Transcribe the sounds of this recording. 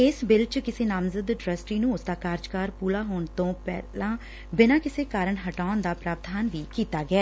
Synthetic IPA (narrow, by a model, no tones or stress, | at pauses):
ɪsbɪlt͡ʃkɪseːnaːmzəd̪ɖɾəsʈiːnũːʊsd̪aːkaːɾd͡ʒkaːɾpuːlaːɦoːɳt̪õːpɛ̰ːlãː | bɪnãːkɪseːkaːɾəɳɦəʈaːʊnd̪aːpɾaːɾd̪aːnʋiːkiːt̪aːɡɪɛː